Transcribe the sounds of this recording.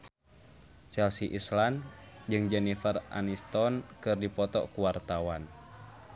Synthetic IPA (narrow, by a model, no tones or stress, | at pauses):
t͡ʃɛlsiʔisland͡ʒɨŋd͡ʒɛnifərʔa̰nist̪ɔnkɨrdipɔt̪ɔ̰kuwart̪awan